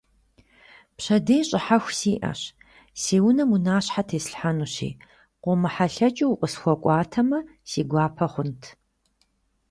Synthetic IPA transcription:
pɕɐdeːɕʼɪħaxʷsiːʔɐ̰ɕ | seːwʊnɐmunaːɕħatʰeːsɬħanuːɕḭː | qʷɔmɨħaɬɐt͡ʃʼiwʊqʼəsxʷɔkʷʼɑːtʰɐmɐsiːɡʷɑːpʰɐχʷʊntʰ

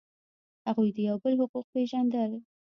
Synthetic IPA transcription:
haɣujd̪əjawbəlhʊquq̚peʒand̪əl

